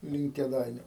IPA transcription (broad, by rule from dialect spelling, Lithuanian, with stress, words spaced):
lʲɪŋk kʲeːˈdɐɪnʲʊ